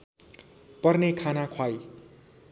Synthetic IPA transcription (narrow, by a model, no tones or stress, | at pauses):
pʌrnekʰanakʰwaj